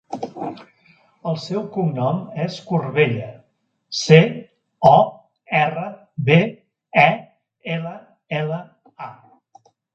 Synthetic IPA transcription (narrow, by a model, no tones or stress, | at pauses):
əlˠsɛwkumnɔmeskurβeʎə | se | ɔ | ɛrə | βe | ɛ | elə | ɛlə | a